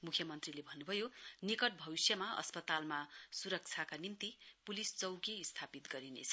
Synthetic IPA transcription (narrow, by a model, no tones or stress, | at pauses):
mukʰjʌmʌnt̪rilebʱʌnːubʱʌjonikʌʈ̚bʱʌbisjʌmaʔʌ̰spʌt̪almasuɾʌk̚t͡sʰakanimt̪ipulist͡sʌwɡist̪ʰapit̪ɡʌɾinḛt͡sʰʌ